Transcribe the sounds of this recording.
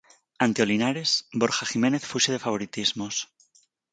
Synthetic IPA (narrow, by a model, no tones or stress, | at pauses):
ant̪eo̞linaɾe̞sbo̞ɾxaxime̞ne̞θfuseðe̞faβ̞o̞ɾit̪izmo̞s